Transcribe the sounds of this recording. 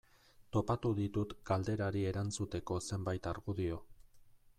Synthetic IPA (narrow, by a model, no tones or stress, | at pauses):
t̪o̞pat̪uðit̪ut̪ɡ̥ald̪e̞ɾaɾie̞ɾant͡sut̪e̞ko̞se̞mbajt̪aɾɣuðio̞